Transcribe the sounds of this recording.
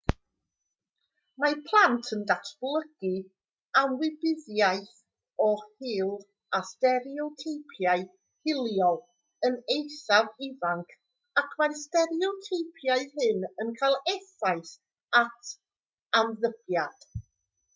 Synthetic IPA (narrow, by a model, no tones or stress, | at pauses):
mapʰlˠantʰəndasblˠəɡ̥i | amwɪbɪðjajθ | ɔhɪːlˠ | astɛɾiɔtʰejpʰjaɨ | hɪlˠjɔlˠ | ənejsavɪvaŋkʰ | akʰmastɛɾiɔtʰejpʰjaɨhɨnənkʰajlˠɛθaɨs | atʰ | amðəb̥jad̥